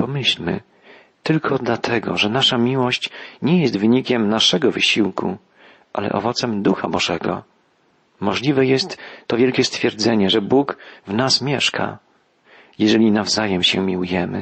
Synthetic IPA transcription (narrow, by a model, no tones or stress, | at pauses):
pɔmɘɕlʲmɘ̰ | t̪ɘlkʰɔd̪lat̪ʰɛɡɔ̰ʐɛnaʂamʲiwɔɕt͡ɕɲɛjɛst̪vɘɲikʲɛmnaʂɛɡɔvɘɕiwkʰṵ | ʔa̰lɛ̰ʔɔ̰vɔt̪sɛmd̪uxabɔʐɛɡɔ̰ | mɔʐlʲivɛjɛst̪ːɔvʲjɛlkʲɛst̪fʲjɛɾd̪zɛɲɛʐɛbukvnasmʲjɛʂkʰa̰ | jɛʐɛlʲinavzajɛmɕɛmʲiwujɛmɘ̰